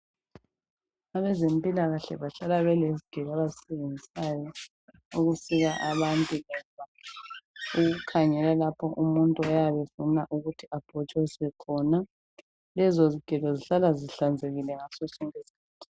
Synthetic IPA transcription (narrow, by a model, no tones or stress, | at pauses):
aβɛzempʼilaɣaɬɛ̰βaɬalaβɛleziɡ̥ʱɛlaβazisɛβend͡zʱisajɔ | uɣusiɣaʔaβantʼulɔβa | uɣukʰaɲɛlalapʰɔʔumuntʼuɔjaβefunaʔuɣutʰiab̥ʱɔt͡ʃʼwɛsiβɛkʰɔna | lɛzoziɡ̥ʱɛlɔziɬalaziɬand͡zʱeɣilɛŋasɔsuŋesi̥kʰaːtʰi̥